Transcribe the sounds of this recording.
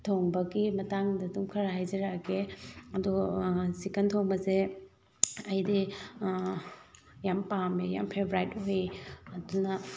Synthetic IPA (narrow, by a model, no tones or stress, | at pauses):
tʰoŋbɐɡimɐtaŋdɐdumkʰɐɾaɦajd͡ʒɐɾaɡeɐdusikɐntʰoŋbɐse | ɐjdi | jampameja̰mpʰebɾajtɦojɐdunɐ